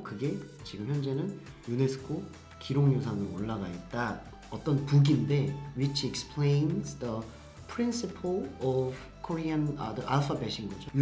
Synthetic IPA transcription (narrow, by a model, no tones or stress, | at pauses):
kɯɡe̞t͡ɕiɡɯmçjʌnd͡ʑe̞nɯn | june̞sʰɯ̥kʰo | kiɾoŋjos̬ʰanɯɾoɭːaɡa̰ɦet̚t͈a | ʌt͈ʌnpuɡinde̞wit͡ɕʰekspʰlẽnzdʌ | pʰɾinsipʰɭʌb | kʰoɾianʌ̰dʌʔaɭpʰabeɕʰinɡʌd͡ʑo